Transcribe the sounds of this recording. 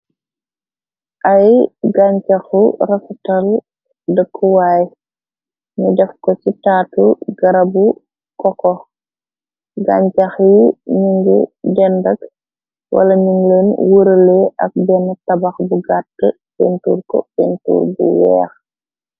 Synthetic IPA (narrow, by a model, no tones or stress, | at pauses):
ʔɐjɡaɲcɐxuɾɐsutɐl | dəkʰːuwaːj | ɲudɛfkɔt͡ʃitaːtuɡɐɾɐbu | kɔkɔ | ɡa̰ːɲcɐxjiɲuŋɡḭdɛndɐk | wʔɐ̰lɐɲuŋlənwuɾlɛʔɐ̰k̚bɛnɐtɐbɐxbuɡatːə | bɛntuːɾkɔ̰fɛntṵːɾbṵwɛ̰ːx